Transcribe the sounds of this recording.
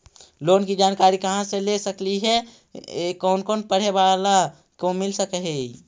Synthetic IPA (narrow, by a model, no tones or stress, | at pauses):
loːnkid͡ʒaːnkaɾikəɦãselesəkliɦɛ | kɔːnkoːnpəɽ̤ebala | komɪlsəkəɦɛ